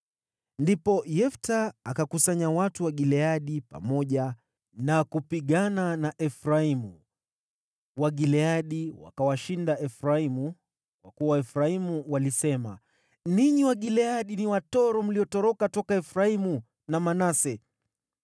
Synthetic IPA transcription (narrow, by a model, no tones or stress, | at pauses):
ndipɔjɛftaːkakusaɲawatuwaɠilɛaɗipa̰mɔʄa | nakupiɠananaʔɛfɾaimu | waɠilɛaɗiwa̰kawaʃindaʔɛfɾaimu | kwakuwaɛfɾaimuwalisɛma | niɲiwaɠilɛaɗiniwatɔɾɔm̩liɔtɔɾɔkatɔkaɛfɾaimu | namanasɛ